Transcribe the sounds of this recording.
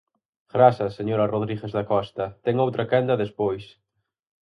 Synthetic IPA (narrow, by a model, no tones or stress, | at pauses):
ɣ̥ɾasɐseɲoɾɐroðɾiɣezðɐkɔst̪ɐt̪ɛŋowt̪ɾɐkɛnd̪ɐðespojs